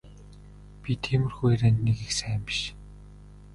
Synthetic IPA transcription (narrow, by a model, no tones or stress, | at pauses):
pʲit̪ʰemɘ̆rxueɾæːnneɣixsæːmpʃ